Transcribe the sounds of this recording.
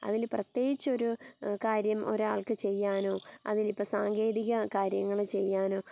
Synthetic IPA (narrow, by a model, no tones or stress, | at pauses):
ɐ̰ðilprɐt̪je̞ːɣit͡ɕːo̞ɾukaːɾjɐmo̞̰ɾuaːɭkɨt͡ɕe̞jːaːnoːɐ̰ðilipːoːsaːŋɡe̞ːðiɣɐkaːɾjɐŋːɐɭt͡ɕe̞jːaːno̞ː